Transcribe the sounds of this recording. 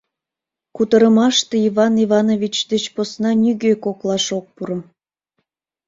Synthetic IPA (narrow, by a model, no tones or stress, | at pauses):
kut̪əɾəmɑʃt̪eivɑnivɑnovʲit͡ɕd̪ət͡ɕposnɑnʲyɣøkoklɑʃok̚puɾə̆m